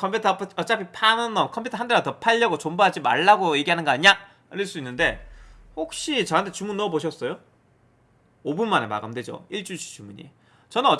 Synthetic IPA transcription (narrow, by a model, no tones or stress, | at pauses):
kʰʌmpʰutʰʌpʰʌt͡ɕʌt͡ɕ͈apʰipʰanɯnʌmkʰʌmpʰutʰʌɦandeɡatʌpʰaʎːʌɡot͡ɕombaɦad͡ʑima̰ɭːaɡojeɡiɦanɯnɡʌaɲiɲa | ɾɯɭs͈uinːɯnde̞ | hok̚ɕ͈it͡ɕʌɦantʰe̞t͡ɕumunːʌboɕ̬ʰʌs͈ʌjo | obunmanema̰ɡamdwe̞d͡ʑo̰iɭt͡ɕ͈ut͡ɕʰi̥t͡ɕumuɲḭ | t͡ɕʌnɯnʌ